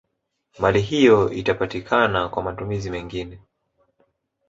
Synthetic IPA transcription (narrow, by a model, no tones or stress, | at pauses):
maliɦijɔitapatikʰanakwamatumizimɛŋɡinɛ